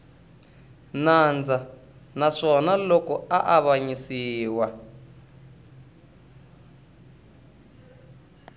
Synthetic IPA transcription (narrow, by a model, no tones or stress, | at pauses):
nand͡za | naʂɔnalɔkɔaʔaβaɲisiːwa